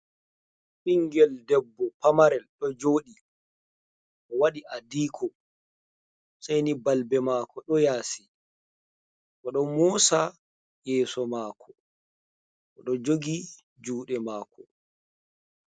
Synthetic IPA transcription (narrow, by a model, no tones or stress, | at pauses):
ɓiŋɡɛldɛbːɔpamaɾɛlɗɔd͡ʒoːɗi | ʔɔwaɗiʔadiːkʰɔ | sajnibalbɛmaːkɔɗɔjaːsi | kɔɗɔmɔsa | jɛːsɔmaːkʰɔ | ʔɔɗɔd͡ʒoɡi | d͡ʒuːɗɛmaːkʰɔ